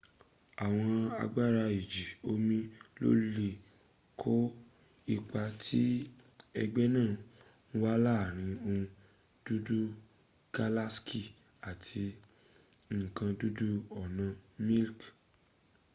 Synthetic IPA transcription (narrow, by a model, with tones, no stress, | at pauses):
a˨w̃ɔ̃˧a̰˧ɡ͡ba˦ɾa˧i˨d͡ʒi˨o˦mĩ˦lo̰˦ɾi˦le˧ | kʰo˦ | i˧k͡pa˧tʰi˦ɛ̰˧ɡ͡bɛ˦nãː˦˨ | nũ˦wa˦la˦˨ɾ̃ĩ˧˦ũ˧ | d̥u˦du˦ | ka˧la˦ski˦˨ | a˨tʰi˧ | ŋ̩˨kã˧du˦du˦ɔ˦˨nã˧mĩ˦lk